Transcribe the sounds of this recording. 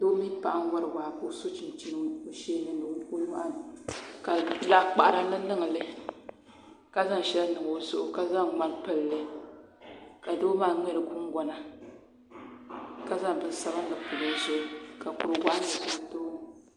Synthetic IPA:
do˦mi˦pa˨ʔa˦ŋ˦wa˦ɾɨ˨waː˨ko˦so˦t͡ʃi˨n˨t͡ʃi˦nɨ˦o˨ʃeː˦nɨ˦n˦o˨˦ko˦nu˦ʔa˦nɨ˨ka˨la˦k͡pa˨ʔa˨ɾa˦lɨ˦nɨ˦ŋ˨lɨ˦ | ka˦za˦ŋ˨ʃɛ˦la˦nɨ˨ŋo˨˦zʊ˦ʔʊ˨ka˦za˦ŋŋ͡ma˦n˦pɨ˦lːɨ˦ | ka˨do˦maː˦ŋɛ˦ɾɨ˨ku˦ŋ˦ɡɔ˨na˨ | ka˦za˦ŋ˨bɨ˨˦n˦sa˦ba˦n˦lɨ˨pu˨lo˦ʒɛ˦lka˨ku˨ɾɨ˨ɡa˦ʔɨ˨ta˨n˨to˦

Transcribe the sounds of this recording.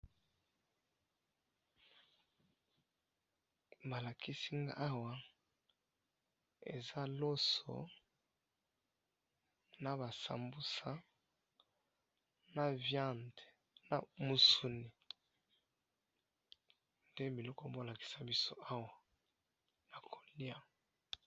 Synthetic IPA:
ba˨la˨ki˦si˦ŋɡa̰˦ʔa˦wa˨ | ḛ˨za˦lo˦so̰˨ | na˨βa˨sa̰˨mbu˦sa˦ | na˨vjã˦˨nde˨ | na̰˨mu˨su˨ni˨ | nde˦bi˨lɔ˦kɔ˦˨bo˦˨la˨ki̥˨sa˦bi˦so˦ʔa˦wa˨ | na˨kʰo˨li˦a˦

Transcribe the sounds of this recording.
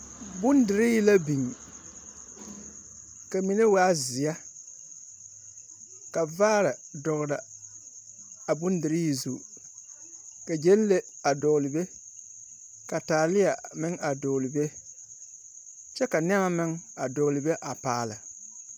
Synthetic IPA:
bʊ˦ndɪ˨ɾɪ˦ji˦la˦bi˨ŋ˨ | ka˨mi˨ne˦waː˦zɪ˨a˦ | ka˨vaː˦ɾa˨dɔ˨ɣɾa˨ | a˨bʊ˦ndɪ˨ɾɪ˦ji˨zu˨ | ka˨d͡ʒe˦n˦le˦ | a˨dɔː˨lɪ˨be˦ | ka˨taː˨lɪ˦ja˨mɪ˦ŋa˨dɔː˨lɪ˨be˦ | t͡ʃɛ˦ka˨n˦ɛ˦ma˦mɪ˦ŋa˨dɔ˨lɪ˨be˦ʔa˨paː˨la˨

